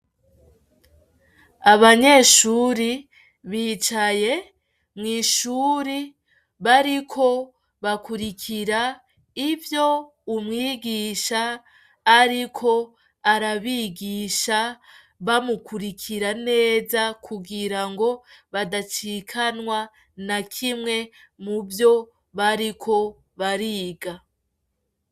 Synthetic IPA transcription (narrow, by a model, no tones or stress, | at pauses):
aβaɲe̞ʃuɾi | βiːt͡ʃaje̞ | mŋiːʃuːɾi | βaɾikʰo̞ | βakuɾikʰiɾa | ivjo̞ | umŋiːɡiʃaː | ɾikʰo̞ | aɾaβiɡiʃa | βamukuɾikʰiɾane̞ːzakʰuɡiɾaŋɡo̞βadat͡ʃikʰanwa | nakʰimŋe̞ | muvjo̞ | βaɾikʰo̞ | βaɾiːɡa